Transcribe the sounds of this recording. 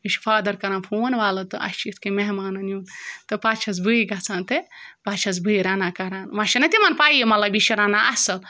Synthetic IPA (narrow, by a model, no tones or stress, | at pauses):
iʃʲfʰaːd̪ɐɾkɐɾaːnpʰoːnʋaːlɐt̪ɨʔɐ̰ʃt͡ʃit̪kemeɦmaːnɐnjuːnt̪ɨpaːt͡ʃʰɐs̬bɨiɡɐt͡sʰaːnt̪ɨpat͡ʃʰɐs̬bɨiɾanakɐɾaːnmɐʃɐnɐt̪ʲimɐnpaːjemɐt̪lɐbiʃiɾaːnaʔɐsɐl